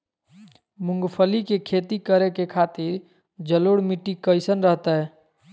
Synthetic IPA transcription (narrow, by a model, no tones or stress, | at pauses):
mʊ̃ŋɡpʰəlikekʰet̪ikəɾekekʰaːt̪ɪɾ | d͡ʒəloɽmiʈːikəɪsənɾəɦt̪aɦɛː